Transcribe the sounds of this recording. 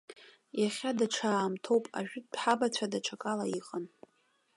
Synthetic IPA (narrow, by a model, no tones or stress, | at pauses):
jaχʲadaʈ͡ʂʰaːmtʰo̞wpʼa̰ʒᶣɪd̚dħabat͡ɕʷʰadaʈ͡ʂʰakʼalaiqʼən